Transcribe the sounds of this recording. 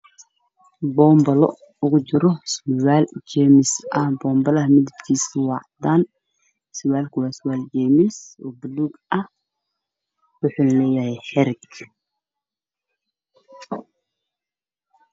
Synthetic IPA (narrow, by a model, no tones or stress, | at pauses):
bɔːmbɐlɔ | ʊɣʊt͡ʃɪɾɔswaːlt͡ʃɛmɪsɐbɔːmbɐlɐmɪd̪ɪb̪kʰiːsɪwɑʕd̪aːn | sɪwaːlkʰʊwɑːsʊwaːlt͡ʃɛːmɪsɔːbʊluːɡɐh | wʊħuːlɐlɛːjɐhɛjħɛɾɪk